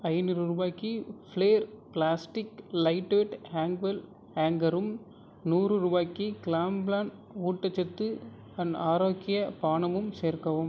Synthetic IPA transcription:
ɐɪnɯɾɯɾubaːkːifleːɾplaːsʈɪklɐɪʈːʋeʈhaːŋɡʋɐl | haːŋɡɐɾɯm | nuːrɯɾubaːkːikɪlaːmblaːnuːʈːɐt͡ʃːɐt̪ːɯ | ɐnaːɾoːkɪjɐpaːɳɐmɯmseːɾkɐʋɯm

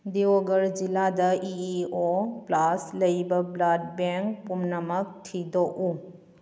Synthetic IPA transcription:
d̪ioɡɐɾd͡ʒiladɐioplaslɐjbɐblad̚beŋkpumnɐmək̚tʰidoʔu

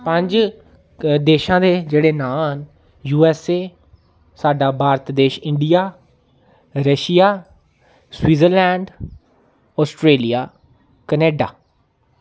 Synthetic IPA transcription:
pəɲd͡ʒ | d̪eːʃãːd̪eːd͡ʒeːɽeːnaːn | juːɛːseː | saːɖaːbʱaːɾt̪d̪eːʃɪ̃ɳɖijaː | ɾəʃɪjaː | swiːzəɾlɛːɳɖ | ɔːsʈɾeːlijaː | kəneːɖa̰ː

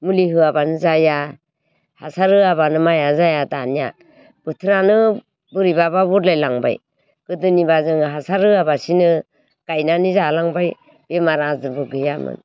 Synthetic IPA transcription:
muliɦɯabanɯzaja | hasaɾɯabanɯmajazajatanija̰ | b̥ɯtʰɯɾanɯ | bɯɾibababɔɾlajlaŋba̰j | kɯdɯnibazɯŋɦasaɾɯabasinɯ | kajnanizalaŋbaj | b̥emaɾazɯɾbɯɡɯjamɯ̰n

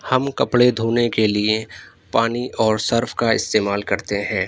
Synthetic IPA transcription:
hɐmkɐpɽed̪ʱoːnekelie | paːniʔɔːɾsɐɾfʰkaɪ̰st̪eːmaːlkɐɾt̪eɦɛ̃ː

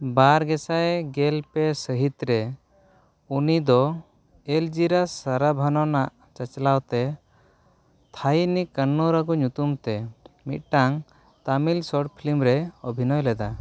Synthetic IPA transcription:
baɾɡɛsajɡɛlpɛsəɦit̪ɾɛ | unid̪ɔ | eld͡ʒiɾasaɾabʱanɔnaʔ | t͡ʃat͡ʃlawt̪ɛ | t̪ʰajnikənːɔɾaɡɔɲut̪umt̪ɛmit̪̚ʈaŋ | t̪amilsɔʈpʰilimɾɛɔbʱinɔjlɛd̪a

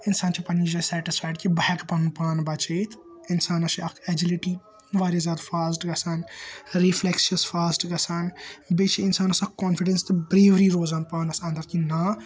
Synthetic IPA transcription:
ɪnsaːnt͡ʃʰipɐnid͡ʒɐsɛːʈɪsfaːjɖkibɐɦɐkpɐnpaːnbɐt͡ʃeːt̪ʰ | ɪnsaːnɐʃiɐkʰɛd͡ʒiliʈi | ʋaːɾizaːɾfʰaːsʈɡɐsaːnɾifʰleksiɐsfʰaːsʈɡɐsaːnbet͡ʃʰiɪnsaːnɐsɐkkoːnfiɖenst̪ɨbɾeːʋɾiɾoːzaːnpaːnɐsɐ̃nd̪ɐɾkinaː

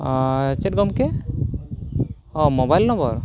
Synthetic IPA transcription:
t͡ʃɛʈ̚ɡɔmkɛ | ɔmobajlnɔ̃bɔɾ

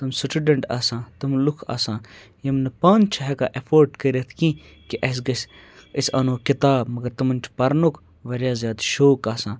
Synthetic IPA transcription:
t̪ɐmsʈʰuːɖɐɳʈaːsãːt̪ɐmlukʰa̰ːsãː | jɐmnɐpãːnt͡ʃʰɐɦɛkaːʔefʰoːɾɖkɐɾʲet̪ʰkĩː | kiʔɐsɡɐs | ɐsʲa̰ːnoːkɪt̪aːbmɐɡɐɾt̪ɐmɐnʲt͡ʃʰpɐɾnokʰ | ʋɐɾjaːzjaːd̪ʃoːkaːsãː

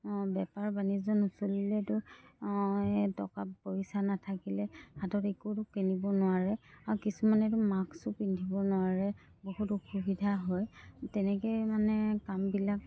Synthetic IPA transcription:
bɛpaɹbanizzɔnusolilɛtʊ | ɛtɔ̰kapoɹisanatʰakilɛhatɔtɛkutʊkenibɔnʊaɹɛaɹukisumanɛtʊmaksupindʱibɔnʊaɹɛ | bohutuxubidʱaɦɔjtɛnɛkojmanɛkambilak̚

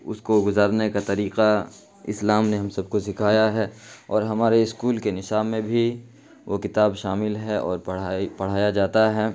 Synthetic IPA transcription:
ʊ̰skoɡʊzaːɾnekat̪ɐɾiːqa | ɪ̰slaːmneɦɐmsɐb̚kosɪkʰaːjaɦɛːɔːɾɦɐmaːɾeɪskuːlkenɪʃaːbmẽbʱi | ʋokɪt̪aːbʃaːmɪlɦɛʔɔ̰ːɾpɐpɐɽ̤aːjad͡ʒaːt̪aɦɛː

